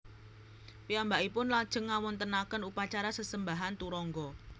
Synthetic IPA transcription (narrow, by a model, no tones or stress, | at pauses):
piambaʔipʊnlad̥ʒ̥ə̤ŋːawɔnt̪ənakənupat͡ʃaɾasəsəmbaɦant̪uɾɔŋɡɔ